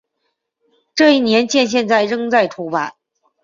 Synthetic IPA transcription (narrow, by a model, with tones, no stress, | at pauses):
ʈ͡ʂɤ˥˧i˥˩njɛ˧˥nt͡ɕjɛ˥˧nɕ̬jɛ˥˧nt͡sa˥˩ɪɻɤ˥˧ŋt͡sa˥˩ɪʈ͡ʂ̪ʰu˧˥pa̰˨˩˦n